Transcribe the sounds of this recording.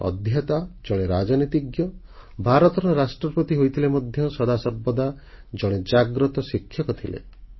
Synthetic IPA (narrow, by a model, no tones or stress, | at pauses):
ɔ̰d̪ʱjat̪ad͡ʒɔɽ̃eɾad͡ʒɔnit̪iɡjɔbʱaɾɔt̪ɔɾɔɾasʈɾɔpɾɔt̪iɦojt̪ʰilemɔd̪ʱjɔsɔd̪asɔbːɔd̪a | d͡ʒɔɽ̃ed͡ʒaɡɾɔt̪ɔsikʰːjɔkɔt̪ʰilḛ